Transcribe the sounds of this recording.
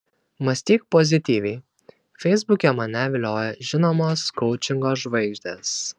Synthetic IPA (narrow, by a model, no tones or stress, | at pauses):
mɐsʲt̪ʲiːk̚pozʲɪt̪ʲiːʋʲɛɪ | fʲɛɪzbʊkʲɛmɐnʲæːʋʲɪlʲoːjɛʒʲɪnoːmoːskɔʊt͡ʃʲɪŋɡoːʒʋɐɪɡʒʲd̪ʲeːs